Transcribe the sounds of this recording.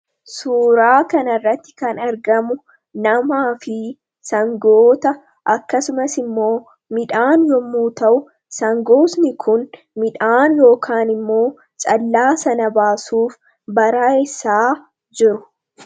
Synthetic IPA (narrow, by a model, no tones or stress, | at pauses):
suːɾaːkɐnɐrːɐt̪ːɪ̥kɐnɐɾɡɐmʊ | nɐmaːfɪ | sɐŋɡoːt̪ɐ | ʔɐkːɐsʊmɐsɪmːo̞ː | mɪᶑaːnjɔmːuːt̪ɐʔʊ | sɐŋɡo̞ːsnɪkʰʊn | mɪᶑaːnjo̞ːkʰaːnɪmːo̞ː | t͡ʃʼɐlːaːsɐnɐbaːsuːf | bɐɾaːɪsːaː | d͡ʒɪɾʊ